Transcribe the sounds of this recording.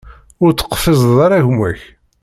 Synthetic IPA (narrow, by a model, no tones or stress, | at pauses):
ʊɾt͡sːə̥qːfɪzˤðˤɑɾˤæʝmæç